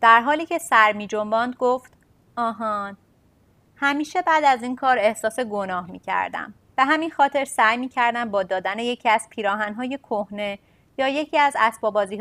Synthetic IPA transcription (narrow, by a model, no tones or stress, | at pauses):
d̪̥æɾɦɒːliːcʰe̞sæɾmiːd͡ʒo̞mbɒːnd̪ɡoft̪ | ɒːɦɒːn | hæmiːʃe̞bæːd̪æziːnkʰɒːɾe̞hsɒːse̞ɡo̞nɒːhmiːcʰæ̰ɾd̪æ̰m | b̥e̞ɦæminxɒːt̪ʰe̞ɾsæjmiːcʰæɾd̪æmbɒːd̪ɒːd̪æne̞je̞cʰiːæz̥pʰiːɾɒːɦænɦɒːje̞kʰohne̞ | jɒːje̞cʰiːæzæsbɒːbɒːziː